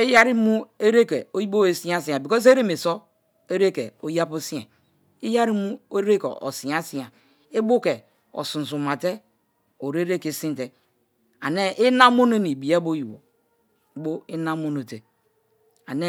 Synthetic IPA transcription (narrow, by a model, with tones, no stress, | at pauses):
e˦ja˦ɾi˦mu˦e˦ɾe˦ke˨o˦ji˦bo˦e˨si˦a˦si˨a˨bi˨ko˦s̬e˦ɾe˦me˨so˦ | e˦ɾe˦ke˨o˦ja˦po˦si˦ḛ˨ | i˦ja˦ɾi˦mu˦e˦ɾe˦kḛ˨o̰˨si˨a˦si˨a˨ | i˦bo˦ke˨ | o̰˨sũ˨n˨s̬u˨ma˨te˦ | o˨ɾe˦ɾe˦ke˨sĩ˦n˦te˨ | a̰˨ne˦ʔi˦na˦mo˦ne˦ni˨bi˨e˦bo˦ji˨wo̰˨˦ | bo˦i˦na˦mo˦no˨te˨ | a˨ne˦